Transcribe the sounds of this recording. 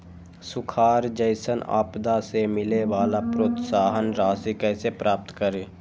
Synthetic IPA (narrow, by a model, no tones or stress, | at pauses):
sʊkʰaːɾd͡ʒəɪsəna̰ːpd̪asemɪleʋaːlapɾoːt̪saːɦənɾaːsikəsepɾaːp̚t̪kəɾeː